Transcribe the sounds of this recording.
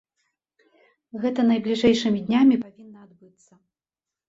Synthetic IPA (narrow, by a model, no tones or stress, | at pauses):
ɣɛt̪ɐnɐjblʲiʐɛjʂɨmʲid̪ʲnʲamʲipavʲinːɐad̪bɨt̪sːɐ